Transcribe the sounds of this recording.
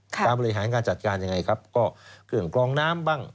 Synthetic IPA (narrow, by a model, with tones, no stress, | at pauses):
kʰt̪aː˧mbɔː˧ɾi˧ɦaː˩˦nkaː˧nt͡ɕa˨˩t̪̚kaː˧nja˧ŋa˧jkʰa˦˥p̚kɔː˥˩kɯ˨˩əŋklɔː˧ŋnaː˦˥˩mbaː˥˩ŋ